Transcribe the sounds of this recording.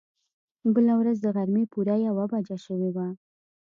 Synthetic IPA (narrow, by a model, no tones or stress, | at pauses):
bəlawɾazd̪əɣaɾmepuɾajawabad͡ʒaʃəwewa